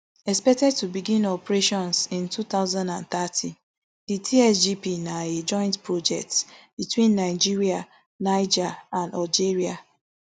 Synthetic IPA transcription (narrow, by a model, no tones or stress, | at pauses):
ɛspɛk̚tɛd̚tubiɡĩnɔpɹeʃɔ̃nsĩntut̪aʊzãndã̰nt̪atʰĩ | d̥itʰiɛsd͡ʒipinaed͡ʒɔ̃ɪ̃ntpɹod͡ʒɛ̰k̚tsb̥itwĩnːaɪd͡ʒiɹia | naɪd͡ʒaãndald͡ʒeɹia